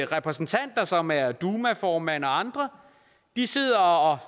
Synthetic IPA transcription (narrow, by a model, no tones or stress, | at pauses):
ʁɛpʰʁɛsn̩t͡sʰæn̰d̥ɐsɒ̽mæɐd̥uːmæfɒːmæn̰ɒɑ̈nd̥ʁɐ | d̥ise̝ð̞̰ˠɐɒ